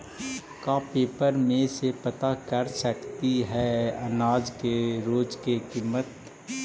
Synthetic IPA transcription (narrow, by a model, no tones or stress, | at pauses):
kaːpeːpəɾmẽsepɐt̪akɐɾsɐkt̪iɦɛɐnaːd͡ʒkeɾoːd͡ʒkekiːmːət̪